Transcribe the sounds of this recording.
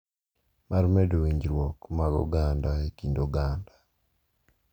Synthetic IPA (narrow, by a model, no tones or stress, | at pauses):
maɾmedowiɲd͡ʒɾwɔkmaɡɔ̰ɡandaekindoɡanda